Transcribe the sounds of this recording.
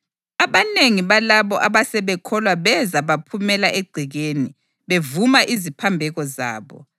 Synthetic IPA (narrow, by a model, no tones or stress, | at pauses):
aβaneŋiβalaβɔʔaβasɛβɛkʰɔlwaβɛzaβapʰumɛlaʔeɡ͡ǀʱiɣeːni | βevumaʔizipʰambʱɛɣɔza̰ːβɔ̰